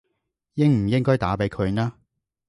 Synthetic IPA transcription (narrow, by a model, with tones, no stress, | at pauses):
jɪ˥ŋm̩˨˩jɪ˥ŋkɔː˥jt̪a̰ː˨˥pe˨˥jkʰɵ˨˧ɥnaː˥